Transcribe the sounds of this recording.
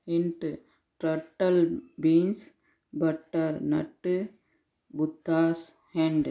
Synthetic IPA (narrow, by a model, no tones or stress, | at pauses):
ɪɳʈu | ʈɾɐʈːɐlbiːns | bɐʈːɐɾnɐ̰ʈːɯ | bʊt̪ːaːs | heɳɖ